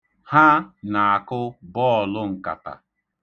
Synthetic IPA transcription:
ha˦na˨a˨kʊ˦bɔ˦˨lʊ˦ŋ̩˨ka̰˨ta̰˨

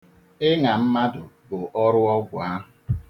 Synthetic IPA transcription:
ɪ˦ŋa˨m̩˦ma˦dʊ˨bʊ˨ʔɔ˦ɾʊ˦ɔ˦ɡʷʊ˨a˦ɦʊ˨

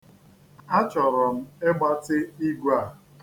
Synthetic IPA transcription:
a˦t͡ʃɔ˨ɾɔ˨m̩˦e˦ɡ͡ba˦tɪ˦i˦ɡʷa˦˨

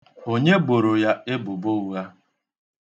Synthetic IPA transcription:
o˦ɲe˦bo˨ɾo˨ja˦ɪ˦bʊ˨bo˦u˦ɣa˦

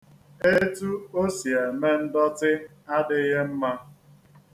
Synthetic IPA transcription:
e˦tu˦o˦si˨e˨me˦n̩˦dɔ˦tɪ˦ | a˦dɪ˦ɦe˦m̩˦ma˦

